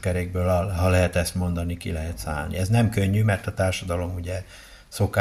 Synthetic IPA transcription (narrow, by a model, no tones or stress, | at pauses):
kɛɾeːɡ̚bøːlɒɦɒlɛɦɛt̪ɛst̪mo̞nd̪ɒnikilɛɦɛt̪sa̰ːlnḭɛznɛmkø̞ɲːymɛrt̪ɒt̪aːrʃɒd̪ɒlo̞muɟɛ | so̞ka